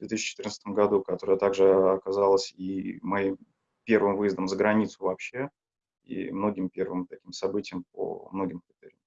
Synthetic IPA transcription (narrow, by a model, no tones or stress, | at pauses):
vd̪vʲet̪ɨɕːt͡ɕɪ̥t̪ɨrnst̪əmɡɐd̪ukɐt̪o̞ɾəjət̪aɡʐɨɐkɐzalˠəsʲimɐjim | pʲe̞rvɨmvɨjəzd̪əmzəɡɾɐnʲit̪sʊvɐpɕːe̞ | ḭmno̞ɡʲɪmpʲe̞rvɨmt̪ɐkʲimsɐbɨtʲɪjəmp̚o̰mno̞ɡʲɪmkɾʲɪt̪ɛɾʲɪjə